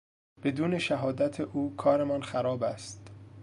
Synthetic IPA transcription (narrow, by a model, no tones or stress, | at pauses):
b̥e̞d̪uːne̞ʃæɦɒːd̪æt̪ʰeʔuːkʰɒːɾemɒːnxæɾɒːbæst̪